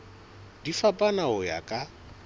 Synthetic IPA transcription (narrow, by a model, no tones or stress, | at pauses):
difapʼanaʊja̰kʼa